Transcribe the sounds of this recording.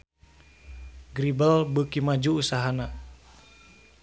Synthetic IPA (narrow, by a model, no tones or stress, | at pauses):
ɡɾibalbəkimad͡ʒuːsaɦana